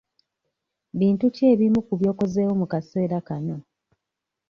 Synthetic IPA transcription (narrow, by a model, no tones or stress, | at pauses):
βiːntuceːβimukuβjo̞ːko̞zeːwomukase̞ːɾakano̞